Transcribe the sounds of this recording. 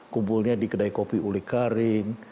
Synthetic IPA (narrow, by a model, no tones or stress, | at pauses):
kumpulɲadikədaikopiulɪhkaɾɪŋ